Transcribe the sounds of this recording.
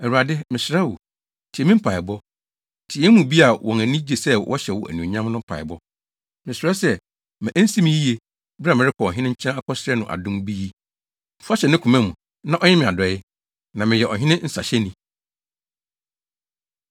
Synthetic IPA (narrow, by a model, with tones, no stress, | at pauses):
ɛ˨ɾu˨a˨dɪ˦mɪ̃˨sɾɛ˦wʊ˨ | tʰi˨ɛ˨mɪ̃˦m̩˦pʰa˨ɪ˨bɔ˦ | tʰɪ˨ɛ˦mũ˨bi˦a˨wɔ̃˨ŋæ̃˨nĩ˦d͡ʑe˨sɛ˦wʔɔ̰˦ɕɛ˨wɔ̰˨ʔæ̰˨nũ˨ɲã˦m˦nʊ̃˦pʰa̰˨ɪ̰˨bɔ˦ | mɪ̃˨sɪ˨ɾɛ˦sɛ˦ | mɪ̃˨ʔæ˦n̩˦si˦mĩ˦ji˦je˨ | ba˨mɪ̃˨ɾɪ˦kʰɔ˨ɔ˨ɦɪ̃˦nɪ̃˦ɲ̩˦t͡ɕʰã˦a˦kʰɔ˦sɪ˦ɾɛ˦nʊ̃˨ʔa̰˨dʊ̃˦mbi˦i˦ | m̩˨fu˦a˦ɕɛ˨nɪ̃˦kʰʊ˨mɛ̃˦mũ˨ | nã˦ʔɔ˦ɲɛ̃˦mɪ̃˨a˨dɔ˨˦ɪ˦ | nã˨mɪ̃˨jɛ˨ʔɔ̰˨ɦᶣɪ̃˦nɪ̃˦n̩˦sa̰˨ɕɛ˦nĩ˨